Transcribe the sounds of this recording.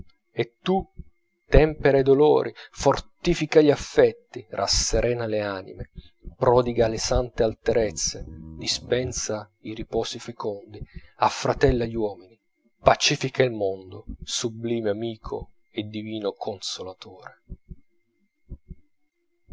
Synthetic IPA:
et̪ːu | t̪ɛmpeɾaed̪olɔ̰ːɾʔifort̪ifikaʎafːɛt̪ːirʔa̰sːeɾʔɛːnaleaːnḭme | pɾɔːd̪iɡalesant̪ealt̪eɾɛt̪sːed̪ispɛnsa | iripɔːsifekɔnd̪iafːɾat̪ɛlːaʎːiwɔːmini | pat͡ʃifikailmond̪ʊsubliːmeamiːkʰo̰ | ed̪ːiviːnokʰonsolat̪oːɾe

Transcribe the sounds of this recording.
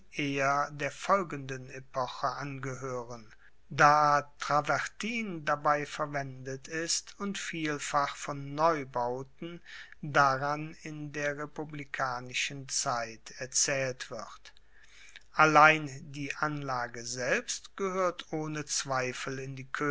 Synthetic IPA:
ʔeːɐdeːɐfɔlɡəndənepʰɔxəʔanɡəɦøːʁən | daːtʁ̥avɛɐtʰiːndabaɪfɛɐvɛndətɪstʊntfiːlfaχfɔnːɔʏbaʊtn̩daʁanɪndeːɐʁepublikʰaːnɪʃənt͡saɪtʰɛɐt͡sɛːltv̥ɪʁt | ʔalaɪndiːʔanlaːɡəzɛlpstɡ̥əhøːɐtʔoːnət͡sv̥aɪfl̩ɪndiːkʰø

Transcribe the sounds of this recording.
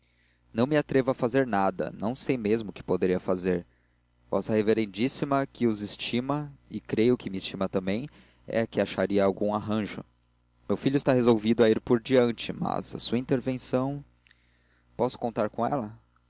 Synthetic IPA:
nɐ̃w̃mɪat̪ɾevʊɐfazeɾnad̪ɐ̰nɐ̃w̃sejmezmʊʊkɪ̥pod̪eɾiɐfazeɾ | vɔ̰sɐheveɾẽnd͡ʒisimɐkɪʊzɪst͡ʃimɐɪkɾejʊkɪmɪːst͡ʃimɐt̪ɐ̃mbẽj̃ | ɛ̰ɐkɪaʃaɾiɐːwɡũaɦɐ̃ʒʊ̰ | mewfiʎʊɪst̪aɦezowvid̪ʊaiɾpoɾd͡ʒiɐ̃nt͡ʃɪmɐ̰zɐ̰suɐĩnt̪eɾvẽsɐ̃w̃ | pɔsʊ̥kõnt̪aɾkõɛ̰lɐ

